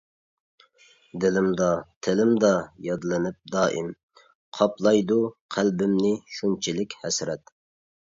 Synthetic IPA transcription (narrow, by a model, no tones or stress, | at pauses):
d̪ɪlɪmd̪ɑt̪ʰɪlɪmd̪ɑjɑd̪lˠɪnɪp̚d̪ɑːʔim | qʰɑplˠɑjd̪uqʰælbɪmnɪʃunt͡ʃʰilɪkʲhɛsɾɛt̪